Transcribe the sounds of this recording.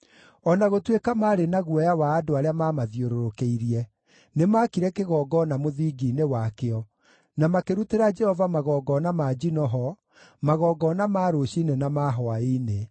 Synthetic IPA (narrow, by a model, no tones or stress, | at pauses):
ɔnaɣotwekamaːɾenaɣwɛjawaːdoaɾeamaːmaðjoɾoɾokeiɾiɛ | nemaːkiɾɛkeɣɔːɡɔnamoðiːɡiːnewakeɔ | namakeɾuteɾad͡ʒɛhɔvamaɣɔːɡɔnamad͡ʒinɔɦɔ | maɣɔːɡɔːnamaːɾoɕinenamaɦɔaine